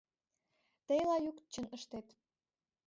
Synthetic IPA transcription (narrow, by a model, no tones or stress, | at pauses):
t̪əjlɑjuk̪t͡ɕə̆nə̆ʃt̪et̪